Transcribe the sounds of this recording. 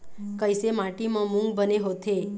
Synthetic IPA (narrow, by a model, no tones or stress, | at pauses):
kəjsemãʈimãmũŋɡbəneɦot̪ʰe